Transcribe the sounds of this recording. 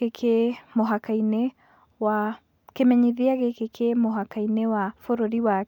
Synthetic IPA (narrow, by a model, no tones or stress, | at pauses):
ekʰemoɦakainɛ | wa | kemɛɲiðiaɣekekʰemoɦakainɛwafoɾoɾiwa